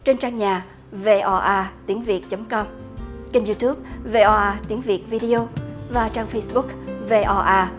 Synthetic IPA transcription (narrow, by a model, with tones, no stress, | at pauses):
t͡ɕe˧nt͡ɕaː˧ŋɲaː˨˩ | ve˧ʔɔ˧ʔaː˧t̪i˨˦ənvi˨˩ət̚t͡ɕə˨˦mŋ͡mkɔ˧m | t͡ɕi˧nzu˧t̪ʰu˦˥p̚ve˧ʔɔ˧ʔaː˧t̪i˨˦nvi˨˩ət̚vi˧ɗi˧o˧vaː˨˩t͡ɕaː˧ŋfə˧jsɓʊ˦˥k̚ve˧ʔɔ˧ʔaː˧